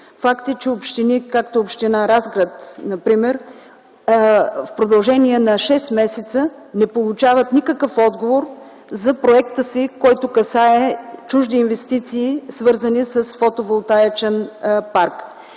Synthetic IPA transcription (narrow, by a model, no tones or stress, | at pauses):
fakt̪ɛt͡ʃɛopʃt̪inikak̚t̪oopʃt̪inaɾazɡɾət̪nɐpɾimɛɾ | fpɾod̪ɐlˠʒɛniɛnɐʃɛst̪mɛsɛt̪sə | nɛpolˠut͡ʃavət̪nikəkəfɔd̪ɡovoɾ | zɐpɾoɛkt̪əsikɔjt̪ʊkɐsaɛt͡ʃuʒd̪iːnvɛst̪it̪siːsvɤɾzənisɐsfot̪ovolˠt̪aɛt͡ʃɛnpaɾk